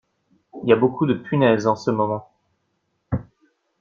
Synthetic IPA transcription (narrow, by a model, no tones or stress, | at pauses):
ilijabokʰud̪əpʰynɛzɑ̃səmɔmɑ̃